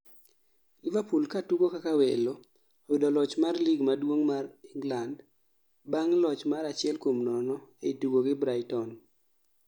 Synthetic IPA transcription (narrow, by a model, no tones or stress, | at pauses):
ɪvapulkatuɡokakawelo | owidolɔt͡ʃmarliɡmadwoŋmariŋɡland | baŋlɔt͡ʃmaɾat͡ʃɪɛlkomnɔnɔeituɡoɡɪbɾaɪtɔn